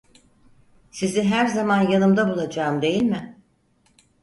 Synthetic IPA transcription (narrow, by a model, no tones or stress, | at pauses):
siziɦæɾzamanjanɯmd̪abulˠad͡ʒamd̪e̞jilʲmɪ